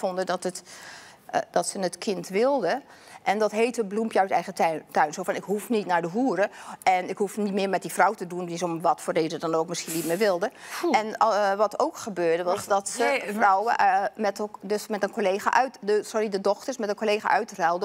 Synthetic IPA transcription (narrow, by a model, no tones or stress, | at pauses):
fondədɔtət | d̥ɔtsənətkʰɪntʋɪlˠdə | ʔɛndɔtɦeːtəblumpjœɥsɛjɣətœɥnsoːfɔnɪkɦufnitnaɹdəɦuəɾəɛnɪkhufnitmɪːɹmɛt̚difrɔwtədundisomʋɔtfoːrdeːzədɔnoːk̚mɪsxiənitmɪːɹʋɪlˠdəɛnʋɔtowkxəbøːɹdəʋɔsdɔtsəfrɔwəmɛtdøsmɛtənkʰoleːxa̰ʔœɥtdsoridədɔxtərsmɛtənkoleːxa̰ʔœɥtrɛlˠdə